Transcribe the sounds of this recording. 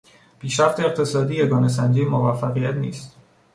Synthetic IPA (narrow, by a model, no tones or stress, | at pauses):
pʰiːʃɾæft̪ʰe̞ːqt̪ʰe̞sɒːd̪iːje̞ɡɒːnes̬ænd͡ʒijmovæfːæɣijæt̪ʰniːst̪